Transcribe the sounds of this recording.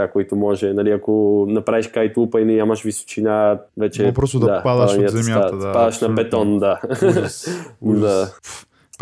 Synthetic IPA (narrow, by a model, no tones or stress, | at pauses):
akoit̪ʊmɔʒɛnɐliɐkonɐpɾaviʃkajt̪upɐinɛɲamɐʃviso̥t͡ʃinavɛt͡ʃɛpɾɔst̪d̪d̪apad̪ad̪ɐniɐzɛmjaapad̪ɐʃnɐpɛt̪ɔnd̪a | d̪a